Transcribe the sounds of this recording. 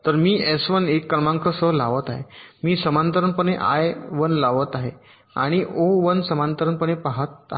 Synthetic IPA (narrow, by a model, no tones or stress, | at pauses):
t̪əɾmiːɛsʋənekːəɾmãŋkʰəsəlaʋət̪aɦemiːsəmant̪əɾəɳpəɳeʔa̰jʋənlaʋət̪aɦe | aɽ̃iʔoʋənsəmant̪əɾəɳpəɳ̃epaɦət̪̚a̰